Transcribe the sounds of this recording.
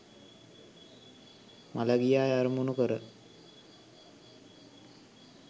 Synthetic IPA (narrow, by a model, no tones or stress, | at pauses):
malaɡijaːjaɾmunukəɾə